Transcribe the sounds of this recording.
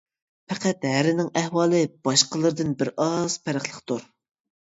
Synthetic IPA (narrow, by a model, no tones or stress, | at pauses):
pʰæqæt̪ɦæɾɪnɪŋæhwɑːlˠɨb̥ɑʃqəlˠɨɾɨd̪ɨnbɪɾɑz̥pʰæɾəχlˠəχt̪uɾ